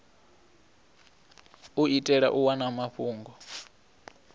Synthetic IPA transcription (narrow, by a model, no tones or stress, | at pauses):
uitʼɛɺa̰ʔuwanamaɸuːŋɡɔ